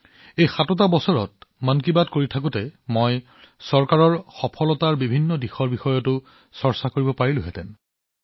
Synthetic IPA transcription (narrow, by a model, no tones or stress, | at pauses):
ejxatɔt̬abɔsɔɹɔt̚mank̬ibadkoɹitʰak̬ʊtɛmoj | sɔɹkaɹɔɹxɔpʰɔlɔtaɹbibʱinːɔdixɔɹbixɔjɔtʊ | sɔɹsakoɹibɔpaɹilʊɦɛtɛ̰n